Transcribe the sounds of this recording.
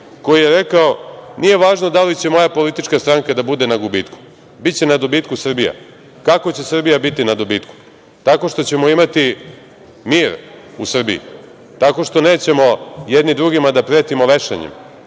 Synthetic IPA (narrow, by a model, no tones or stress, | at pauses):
ko̞jije̞ɾe̞kao̞nʔije̞ʋaːʒnod̪alit͡ɕe̞mo̞japo̞lit̪it͡ʃkast̪ɾaŋkad̪abud̪e̞naɡubiːt̪ku̥ | bit̪t͡ɕe̞nad̪obiːt̪kusr̩bija̰ | kako̞t͡ɕe̞sr̩bijabit̪inad̪obiːt̪ku̥ | t̪ako̞ʂt̪o̞t͡ɕe̞mo̞imat̪i | miːɾusr̩bḭjḭ | t̪ako̞ʂt̪o̞ne̞ːt͡ɕe̞mo̞jed̪nid̪ɾuɡimad̪apɾeːt̪imoʋe̞ʃḛɲḛm